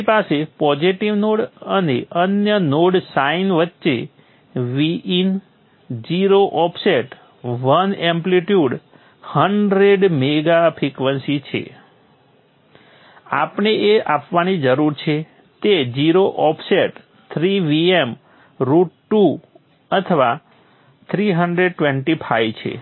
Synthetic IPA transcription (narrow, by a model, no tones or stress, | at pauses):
pasepɔd͡ʒiʈiʋnoɽəneʔənjənoɽsainʋətːʃe | ʋiin | d͡ʒiɾoʔɔpʰseʈ | ʋənɛ̃mpliʈjuɖ | həɳɖɾeɖmeɡapʰɾikʋənsit͡ʃʰḛ | apɳeeapʋanid͡ʒəɾuɾt͡ʃʰe | t̪ed͡ʒiɾoʔɔpʰseʈ | t̪ʰɾiʋiem | ɾuʈʈu | ət̪ʰəʋa | t̪ʰɾiɦəɳɖɾeɖ̚ʈʋẽɳʈipʰajʋt͡ʃʰḛ